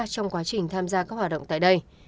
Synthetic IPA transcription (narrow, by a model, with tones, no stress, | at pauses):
t͡ɕɔ˧wŋ͡mkwaː˨˦t͡ɕï˨˩ŋ̟t̪ʰaː˧mzaː˧kaː˦˥k̚hwaː˨˩ɗə̰˧˨ŋ͡mt̪ːjɗə˧j